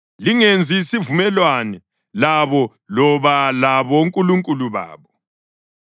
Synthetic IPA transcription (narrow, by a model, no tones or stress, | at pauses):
liŋend͡zʱisivumɛlwanɛ | laβɔ | lɔβalaβɔuŋkʼuluŋkʼuluβa̰ːβɔ